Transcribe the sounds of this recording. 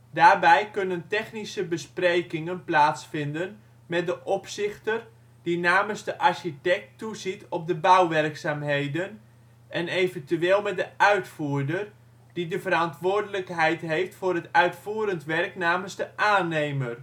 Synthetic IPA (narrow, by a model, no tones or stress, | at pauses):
daːrbɛjkɵnəntɛχnisəbəsprejkɪŋənplaːtsfɪndən | mɛt̚dəʔɔpsɪxtər | dinaːmənzdəʔaɹʃitɛk̚tuzitʰɔp̚dəbawʋɛrksaːmɦejdən | ʔɛnejvəntyeːlˠmɛt̚dəʔœɥtfuːɹdər | d̥idəvəɾantʋʊːrdələkɦɛjtɦejftfʊːrətœɥtfuːəɾəntʋɛrknaːmənzdəʔaːnejmər